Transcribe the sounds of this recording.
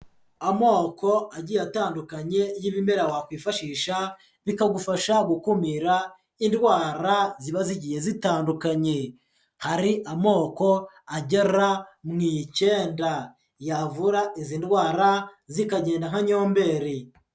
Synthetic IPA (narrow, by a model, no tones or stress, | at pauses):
amo̞ːko̞aɟijataːndukaɲe̞jiβime̞ɾawakwiːfaʃiːʃa | βikaɡufaʃaɡukumiɾa | indwaːɾaziβaziɟije̞zitaːndukaɲe̞ | haɾiʔamo̞ːko̞ | aɟe̞ɾamŋice̞ːnda | javuɾaʔiziːndwaːɾazikaɟe̞ːndaŋ̥haɲo̞ːmbe̞ɾi